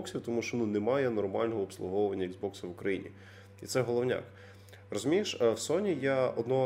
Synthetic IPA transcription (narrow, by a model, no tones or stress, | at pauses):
ɔksʲiwt̪ɔmuʃt͡ʃɔnunemɑjɛnɔrmɑlʲnɔɦɔːpslˠʊɦɔʋɐnʲːɐɛɡzbɔksɐʋʊkɾɐjinʲḭ | it̪sɛɦɔlˠɔwnʲa̰k | rɔzʊmʲijɪʃwsɔnʲijaɔd̪nɔ